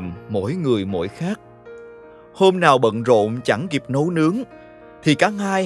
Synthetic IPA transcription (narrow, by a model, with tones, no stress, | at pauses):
mːo̰˧˥jŋɨ˨˩əjmo̰˧˥jxaː˦˥k̚ | ho˧mnaː˨˩wɓə̰˧˨nzo̰˧˨mt͡ɕa˧˩ŋki˨˩p̚no˨˦wnɨ˨˦əŋ | t̪ʰi˨˩kaː˨˦˥k̚haː˧j